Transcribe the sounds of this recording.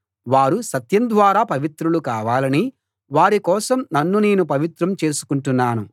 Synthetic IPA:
ʋaːɾusɐt̪jɐnd̪ʋaːɾaːpɐʋit̪ɾulukaːʋaːlɐni | ʋaːɾikɔːsɐmnɐnːune̞ːnupɐʋit̪ɾɐmt͡ʃe̞ːsu̥kuɳʈunːaːnṵ

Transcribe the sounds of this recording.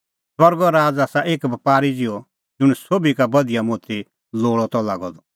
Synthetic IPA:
swɐɾɡɔɾaːd͡zaːsaʔeːkbɐpaːɾid͡ʒɪɔ | d͡zʊɽ̃ɛsoːbikabɐd̪ijamoːt̪i | loːɭɔt̪ɔlaːɡɔd̪ɔ

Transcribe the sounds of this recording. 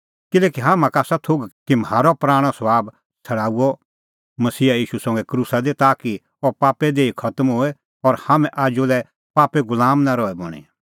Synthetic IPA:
kɪlɛːkiɦaːmãkaːsat̪ʰoɡkimɦaːɾɔpɾaːɽ̃ɔsɐbaːb | sʰɐɽaːuɔ | mɐsiːajiːʃusɐ̃ŋɡɛkɾusad̪et̪aːki | ɔpaːped̪eːikʰɐt̪əmɦoɛ | ɔɾhamɛ̃ʔaːd͡ʒolɛ | paːpeɡʊlaːmnaɾɔɛbɔɽ̃ḭ

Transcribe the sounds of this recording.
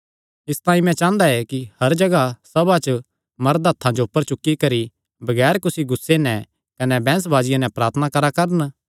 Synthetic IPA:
ɪst̪ãːĩmɛ̃t͡ʃãːnd̪aɛkihɐɾd͡ʒɐɡasɐbat͡ʃ | mɐɾd̪ʱaːt̪ʰːãd͡ʒoʊpːəɾt͡ʃʊkːikɐɾi | bɐɡɛːɾkʊsiɡʊsːenɛ̃ | kɐnɛbɛ̃ːs̬baːd͡ʒɪjãnɛ̃pɾaːɾt̪ʰənakɐɾakɐɾən

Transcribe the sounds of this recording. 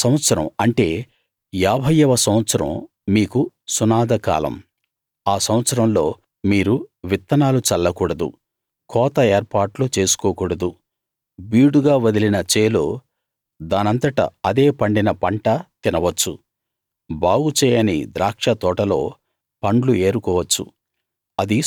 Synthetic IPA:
sɐmɐt̪sɐɾɐmɐɳʈe̞ː | jaːbʱɐjɐʋɐsɐmʋɐt̪sɐɾɐ̰m | miːku | sunaːd̪ɐka̰ːlɐ̰m | aːsɐmɐt̪sɐɾɐmlo̞ː | miːɾuʋit̪ːɐnaːlut͡ʃɐlːɐkuːɽɐd̪ṵ | kʰɔːt̪ɐeːɾpaːʈlut͡ʃe̞ːsu̥koːkuːɽɐd̪u | biːɽuɡaːʋɐd̪ilinɐt͡ʃeːloː | d̪aːnɐnt̪ɐʈɐ̰ɐd̪e̞ːpɐɳɖinɐpɐɳʈɐt̪inɐʋɐt͡ʃːṵ | baːɡut͡ʃɛːjɐnḭd̪ɾaːkʂɐt̪ɔːʈɐlo̞̰ː | pɐɳɖlue̞ːɾukɔːʋɐt͡ʃːṵ | ɐd̪i

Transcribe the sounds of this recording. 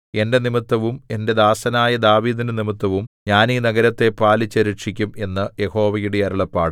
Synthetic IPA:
e̞ndenimit̪ːɐʋume̞nde̞d̪aːsɐnaːjɐd̪aːʋiːd̪inɨnimit̪ːɐʋumɲaːniːnɐɡɐɾɐt̪ːe̞paːlit͡ɕːɐɾiʈʂikʲːume̞nːɨje̞ho̞ːʋɐjuɽeɐɾɐɭɐpːaːɽɨ

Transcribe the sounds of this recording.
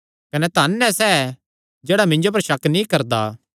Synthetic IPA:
kɐnɛt̪aːnːɛsɛ | d͡ʒɛːɽamɪ̃ɲd͡ʒop̬ɐɾʃɐknĩkɐɾd̪a̰ː

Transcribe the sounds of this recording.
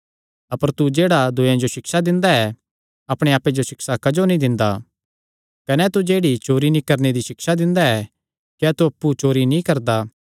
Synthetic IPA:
ɐpəɾt̪ud͡ʒeːɽad̪ʊjẽd͡ʒoʃɪksad̪ɪ̃nd̪aɛ | ɐpɽ̃eaːpːed͡ʒoʃɪksakɐd͡ʒonĩd̪ɪ̃nd̪a | kɐnɛt̪ud͡ʒeːɽit͡ʃoːɾinĩkɐɾned̪iʃɪkʃad̪ɪ̃nd̪aɛ | kɛt̪uɐpːut͡ʃoːɾinĩkɐɾd̪a

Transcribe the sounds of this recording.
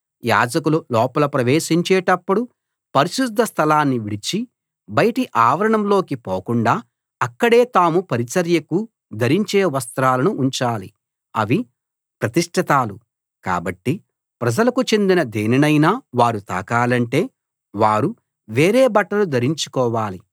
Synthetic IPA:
ja̰ːd͡ʒɐkululɔːpɐlɐpɾɐʋeːʃiɲt͡ʃɛːʈɐpːuɽu | pɐɾiʃud̪ʱːɐst̪ʰɐlaːnːiʋiɽit͡ʃi | bɐjɐʈiʔaːʋɐɾɐɳɐmlo̞ːkipoːkuɳɖaː | ɐkːɐɽe̞ːt̪aːmupɐɾit͡ʃɐɾjɐku | d̪ʱɐɾiɲt͡ʃeːʋɐst̪ɾaːlɐnuʔːɲt͡ʃaːlḭ | ɐʋi | pɾɐt̪iʂʈʰit̪aːlu | ka̰ːbɐʈːi | pɾɐd͡ʒɐlɐkut͡ʃe̞nd̪inɐd̪eːninɐjnaːʋaːɾut̪a̰ːkaːlɐɳʈe̞ː | ʋaːɾu | ʋeːɾeːbɐʈːɐlud̪ʱɐɾiɲt͡ʃu̥kɔːʋaːli

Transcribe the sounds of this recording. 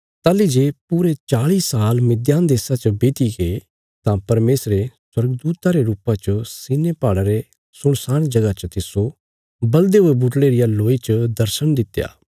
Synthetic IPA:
t̪aːlid͡ʒeːpuːɾet͡ʃaːɭisaːlmɪd̪jaːnd̪eːsat͡ʃɐbeːt̪iɡe | t̪ãpɐɾmeːsɾeswɐɾɡd̪uːt̪aɾeɾuːpãt͡ʃɐsɪnepaːɽaɾe | sʊɽ̃saːɽ̃d͡ʒɐɡat͡ʃɐt̪ɪso | bɐld̪eɦʊebʊʈleɾɪjaloːit͡ʃəd̪ɐɾsəɽ̃d̪ɪt̪ːja̰ː

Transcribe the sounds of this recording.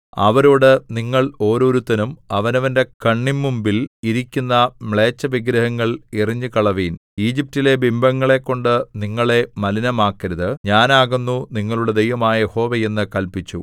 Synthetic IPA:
ɐ̰ʋɐɾoːɽɨniŋːɐɭo̞ːɾo̞ːɾut̪ːɐnumɐʋɐnɐʋɐnde̞kɐɳːimːumbiliɾikʲːunːɐmɭe̞ːt͡ɕːɐʋiɡɾɐhɐŋːɐɭiriɲːɨkɐɭɐʋiːniːd͡ʑip̚tile̞bimbɐŋːɐɭe̞kːo̞ɳɖɨniŋːɐɭe̞mɐlinɐmaːkːiɾɐðɨɲaːnaːɣunːuniŋːɐɭuɽed̪ejʋɐmaːjɐjeho̞ːʋeje̞nːɨkɐlpit͡ɕːu

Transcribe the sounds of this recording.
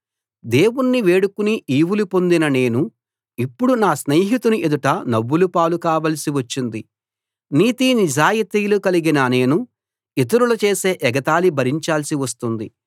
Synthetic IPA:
d̪e̞ːwunːiʋe̞ːɽukuniʔiːwulupo̞nd̪inɐne̞ːnu | ipːuɽunaːsneːɦit̪unuʔed̪uʈɐnɐʋːulupaːlukaːʋɐlɐsiʋɐt͡ʃːind̪i | niːt̪inid͡ʒaːjit̪iːlukɐliɡinɐne̞ːnu | it̪̬ɐɾulɐt͡ʃe̞ːse̞ːʔɛɡɐt̪aːlibʱɐɾiɲt͡ʃaːlɐsiʋɐst̪und̪i

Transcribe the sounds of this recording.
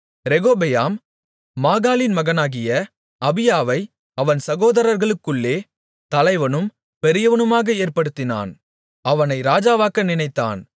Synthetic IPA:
ɾɛɣoːbɛjaːmː | aːɣaːlɪnmɐɣɐnaːɣɪjɐ | ɐbɪjaːʋɐɪ | ɐʋɐnsɐɣoːðɐɾɐɾɣɐɭɯkːɯɭːeː | t̪ɐlɐɪʋɐnɯm | pɛɾɪjɐʋɐnɯmaːɣɐeːɾpɐɽɯt̪ːɪna̰ːn | ɐʋɐnɐɪɾaːd͡ʒaːʋaːkɐnɪnɐɪt̪ːa̰ːn

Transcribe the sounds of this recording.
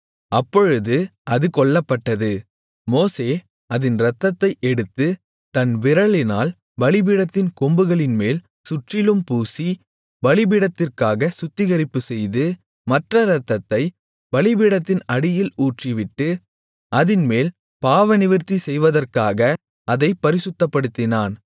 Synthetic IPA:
ɐpːɔɻɯðɯʔɐðɯkɔɭːɐpːɐʈːɐðɯ | moːseː | ɐðɪnɾɐt̪ːɐt̪ːɐɪʔɛɽɯt̪ːɯ | t̪ɐnʋɪɾɐɭɪnaːl | ʋɐɭɪbɪɽɐt̪ːɪnkɔmbɯɣɐɭɪnmeːl | sʊʈrɪlɯmpuːsi | ʋɐɭɪbɪɽɐt̪ːɪrkaːɣɐsʊt̪ːɪɣɐɾɪpːɯsɛjðɯ | mɐʈrɐɾɐt̪ːɐt̪ːɐɪ | ʋɐɭɪbiːɽɐt̪ːɪnɐɽɪjɪluːʈriʋɪʈːɯ | ʔɐðɪnmeːl | paːʋɐnɪʋɪɾt̪isɛjʋɐðɐrkaːɣɐ | ʔɐðɐɪpːɐɾɪsɯt̪ːɐpːɐɽɯt̪ːɪnaːn

